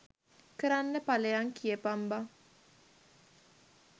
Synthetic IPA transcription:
kəɾanːəpaleaŋkiepamba

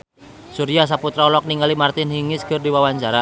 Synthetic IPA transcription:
suɾias̬aput̪ɾaɔlɔk̚niŋalimart̪ɪnhiŋɪskɨrdiwawaɲt͡ʃaɾa

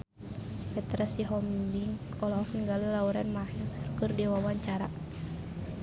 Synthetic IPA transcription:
fɛt̪ɾasiɦɔmbiŋ | ɔlɔɦɔkənɡaləlauɾanmahakɨrdɛwawaɲt͡ʃaɾa

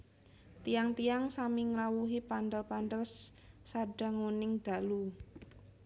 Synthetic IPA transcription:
t̪ijaŋt̪ijaŋsamiŋɾawuɦipand̪əlpand̪əls | saɖ̥a̤ŋunɪŋd̪̥a̤lu

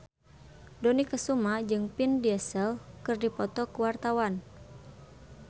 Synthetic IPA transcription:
dɔnikəsumad͡ʒɨŋpindiɛsəlkɨrdipɔt̪ɔkəwart̪awan

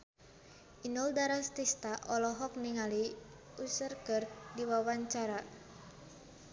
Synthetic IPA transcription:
ʔinɔldaɾast̪ist̪aʔɔlɔɦɔk̚niŋali | usərkərdiwawaɲt͡ʃaɾa

